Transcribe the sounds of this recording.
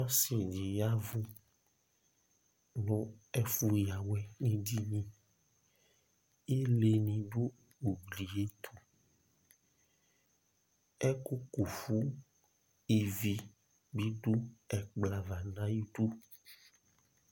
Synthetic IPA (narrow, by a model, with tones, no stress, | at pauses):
a˦si˨d͡ʒi˨ja˦vu˦ | nɔ̃˦ɛ˦fu˦ja˨wɛ˨nĩ˦di˦ɲĩ˦ | e˦le˨nĩ˨ɖo˦ | u˨ɡli˨e˦t̪ʰu˨ | ɛ˦ku˦ku˨fu˦ | i˨vi˦ | bi˦ɖo˦ɛ˨k͡pla˨va˨nã˦ji˦ɖu˦